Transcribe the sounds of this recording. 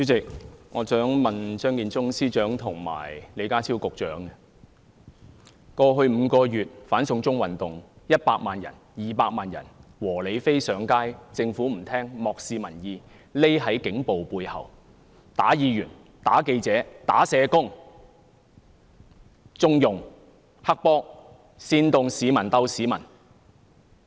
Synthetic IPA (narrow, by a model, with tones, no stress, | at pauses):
yː˨˥t͡sɪ˨k̚ŋɔː˨˧sœː˨˥ŋmɐ˨nsœː˥ŋkiː˨˧nt͡sʊ˥ŋsiː˥t͡ʃœː˨˥ŋt̪ʰʊ˨˩ŋma̰ː˨˩jle˨˧jkaː˥t͡sʰi˥wkʊ˨k̚t͡ʃœː˨˥ŋɛ˧ | kɔː˧ɦɵ˧ɥm̩ː˨˧kɔː˧jyː˨t̚faː˨˥nsʊ˧ŋt͡sʊ˥ŋwɐ˨˩nt̪ʊ˨ŋjɐ˥t̚paː˧k̚maː˨njɐ̰˨˩n | jiː˨paː˧k̚maː˨njɐ̰˨˩nwɔː˨˩le˨˧jfe˥jsœː˨˥ŋkaː˥jt͡sɪ˧ŋfuː˨˥m̩˨˩t̪ʰɛː˥ŋmɔː˨k̚siː˧mɐ˨˩njiː˨˧ | le˥jɦɐ˨˥jkɪ˨˥ŋpo˨wpuː˧jhɐ̰˨˩w | t̪aː˨˥jiː˨˧jyː˨˩n | t̪a̰ː˨˥ke˧jt͡sɛː˨˥t̪a̰ː˨˥sɛː˨˧kʊ˥ŋ | t͡sʊ˥ŋjʊ˨ŋ | hɐ˥k̚pɔː˥k̚ | siː˧nt̪ʊ˨˧ŋsiː˨˧mɐ˨˩nt̪ɐ˧wsiː˨mɐ̰˨˩n